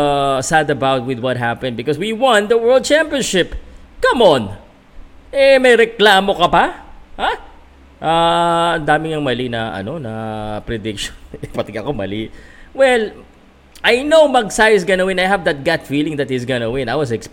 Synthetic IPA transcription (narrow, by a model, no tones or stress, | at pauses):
sad̪ɐbawt̪̚wɪðwɐt̪̚ɦapɛ̃nd̪̚bɪkɔswiwãnd̪əwɜ˞ld̪̚t͡ʃãmpiɔnʃɪpkɐmon | ʔɛmɐjɾɛklaːmo̞kɐpɐha | ʔaɐnd̪aːmɪŋɐŋmɐlinɐʔɐ̰no̞nɐpɾɛd̪ɪkʃo̥nɛpɐt̪ɛɡɐkomɐ̰liwɛl | ʔajnowmɐɡ̚sajɪsɡɐnɐwɪ̃najɦɐvd̪ɐt̪̚ɡat̪filɪ̃ŋd̪ɐt̪̚hisɡɐnɐwɪ̃najwɐs̬ɛks